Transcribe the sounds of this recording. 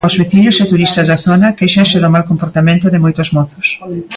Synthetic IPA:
ozβeθiɲʊset̪uɾist̪ɐzðaθonɐkejʃanseðomalkompoɾt̪amẽnt̪ʊðɪmojt̪ʊszmɔθʊ̥s

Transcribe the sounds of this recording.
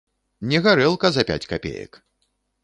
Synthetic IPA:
nʲɛɣaɾɛlˠkɐzɐpʲa̰t͡sʲkapʲḛjɐ̰k

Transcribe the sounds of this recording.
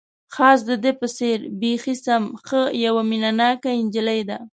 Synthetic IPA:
xɑs̬d̪əd̪epəseɾbexisamxəjawaminanɑkaɪnd͡ʒɪlajd̪a

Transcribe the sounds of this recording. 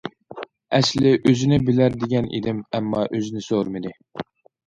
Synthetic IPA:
ɛʃlɪʔøzɪnɪbɪlæɾd̪eɡʲɛnʔḭd̪ɪmɛmːɑʔøzɪnɪsoɾmɪd̪ɪ

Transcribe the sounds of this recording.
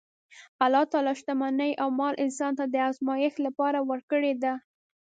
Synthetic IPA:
alɑt̪ɑlɑʃt̪amanəjʔawmɑlʔɪnsɑnt̪ad̪əazmɑjɪxlapɑɾawəɾkəɽed̪a

